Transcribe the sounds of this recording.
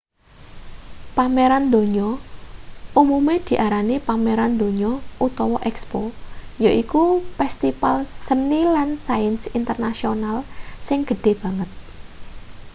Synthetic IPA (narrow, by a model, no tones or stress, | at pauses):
pameɾand̪o̤ɲɔ | umumed̪̥i̤ʔaɾanipameɾand̪o̤ɲɔʔut̪ɔwɔʔɛkspojoʔikufɛst̪ifalsənilansajənsint̪ərnasionalsɪŋɡ̥ə̤ɖ̪̥e̤b̥a̤ŋət̪̚